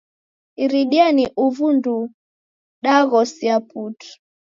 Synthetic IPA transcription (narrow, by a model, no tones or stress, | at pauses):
iɾiɗianiʔuvundu | ɗaɣɔsiaputu̥